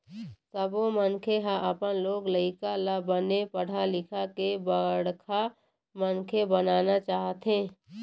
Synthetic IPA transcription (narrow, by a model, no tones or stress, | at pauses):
səbomənkʰeɦãʔəpənloːɡləɪkalabənepəɽ̤alɪkʰakebəɽkʰa | mənkʰebənaːnat͡ʃaːɦt̪ɦẽː